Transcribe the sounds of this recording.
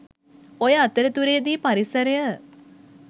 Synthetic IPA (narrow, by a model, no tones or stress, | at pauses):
ojəat̪əɾət̪uɾejd̪iːpaɾisəɾejə